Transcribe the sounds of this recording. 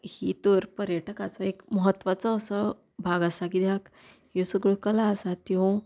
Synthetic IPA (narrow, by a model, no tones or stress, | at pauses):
hit̪əɾpəɾjəʈəkat͡sɔekməɦət̪ːʋat͡sɔːsɔ | bʱaɡasakid̪ak | josuɡɭukəlaəsat̪iɦõ